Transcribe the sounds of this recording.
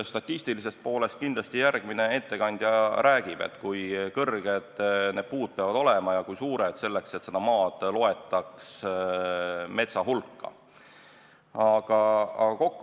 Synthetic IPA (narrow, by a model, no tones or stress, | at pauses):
st̪ɑt̪ʲːˑist̪ilise̞st̪̚po̞ːle̞st̪̚kind̪lɑst̪ijærɡ̥mine̞e̞t̪ːe̞kɑnʲd̪̥ʲjɑɾʔæːɡ̥ib̥e̞̰t̪ːkujkɤrɡ̥e̞d̪̥ne̞ːd̥̪̚puːd̪̥̚peɑvɑd̪̥o̞lemɑjɑkujsuːɾed̪̥se̞lːe̞kse̞t̪ːse̞d̪̥ɑmɑːd̪̥lo̞e̞t̪ːˑɑks | me̞t̪sɑɦulkːɑ̰ | ɑɡ̥ɑɑ̰ɡ̥ɑko̞kː